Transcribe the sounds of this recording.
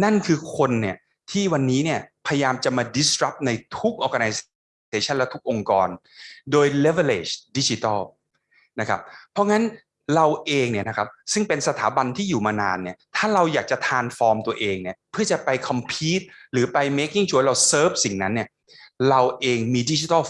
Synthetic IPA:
na˥˩nkʰɯː˧kʰo˧nːi˥˩ɐ | t̪ʰiː˥˩wa˧nːiː˦˥ni˥˩ɐpʰa˧ja˧jaː˧mt͡ɕa˨˩maː˧di˦˥sɾa˦˥p̚na˧jt̪ʰu˦˥k̚ʔɔː˧ka˧na˧js | t̪eː˧t͡ɕʰa˥nlɛ˦˥t̪u˦˥k̚ʔo˧ŋkɔː˧n | doː˧jle˦˥ve˧leː˧˩t͡ɕdi˦˥t͡ɕi˧˦t̪a˥˩ | na˦˥kʰa˦˥p̚ʰːɔ˦˥ŋa˦˥n | ɾa˧wʔeː˧ŋni˥˩ɐna˦˥kʰa˦˥p̚sɯ˥˩ŋpe˧nsa˧t̪ʰaː˩˦ba˧nt̪ʰiː˥˩juː˨˩maː˧naː˧nːi˥˩ɐt̪ʰaː˥˩ɾa˧wjaː˨˩k̚t͡ɕa˨˩t̪ʰaː˧nfɔː˧mt̪u˧ɐʔeː˧ŋni˥˩ɐpʰɯ˥˩ɐt͡ɕa˨˩pa˧jkʰɔ˧mpʰiː˦˥t̪̚ɾɯː˩˦pa˧jme˦˥ki˥˩ŋt͡ɕʰu˦ɾa˧wsɤː˦˥˩p̚si˨˩ŋna˦˥nːi˥˩ɐ | ɾa˧wʔeː˧ŋmiː˧di˦˥t͡ɕi˧˦t̪a˥˩

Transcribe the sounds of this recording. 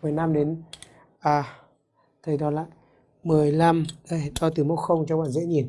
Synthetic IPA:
mɨ˨˩əjna˧mɗe˨˦n | ʔaː˨˩ | t̪ʰə˨˩jɗɔ˨˦la̰ː˧˨j | mɨ˨˩əjla˧mla̰ː˧˨jht̪ɔ˧˩t̪ɨ˨˩mo̰˧˥t̚xə˧wŋ͡mt͡ɕɔ˧ŋ͡mɓa̰ː˧˨nzḛ˧˥ɲi˨˩n

